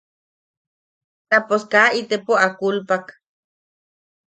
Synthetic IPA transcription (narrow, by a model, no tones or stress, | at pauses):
naposkait̪epoakulpak